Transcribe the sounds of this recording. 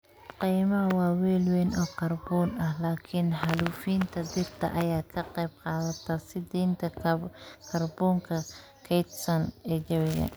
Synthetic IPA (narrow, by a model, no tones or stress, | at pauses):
qiːmɐɐwɑːwɛːlwɛnɔːkɐrbɔːnɐhlaːkʰɪnħɐluːfiːnt̪ʰɐd̪ɪrt̪ʰɐ̰ʔɐjaːkʰɐqɑjb̚qɑːðɐt̪ʰɐsɪd̪iːnt̪ʰɐ | kʰɐrbɔːŋkʰɐ | kʰɛjt̪sɐnɛːt͡ʃɐwɪɣɐ̰